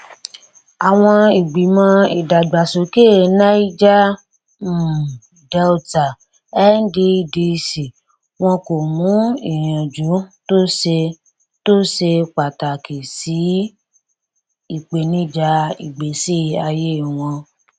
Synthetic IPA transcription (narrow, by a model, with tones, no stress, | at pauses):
a˨w̃ɔ̃˧i˨ɡ͡bi˨mɔ̃˧i˨da˨ɡ͡ba˨so˨ke˦˨na˦i˦d͡ʒa˦˨ | dɛ˦u˦ta˨ | ɛ˦n̩˦de˧i˨di˧si˨ | w̃ɔ̃˧ko˨mũ˨˦i˨j̃ã˨d͡ʒu˨˦to˦se˧ | to˦se˧k͡pa˨ta˨kʰe˨si˨˦ | i˦˨k͡pe˨nĩ˨˦d͡ʒa˧i˨ɡ͡be˨˦si˦a˧je˦˨w̃ɔ̃˧